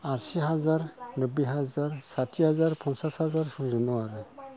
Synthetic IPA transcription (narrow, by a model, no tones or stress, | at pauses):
aɾsiɦazaɾnɯbiɦazaɾsatʰiɦazaɾpʰɔnsashazaɾsuzunɔaɾɯ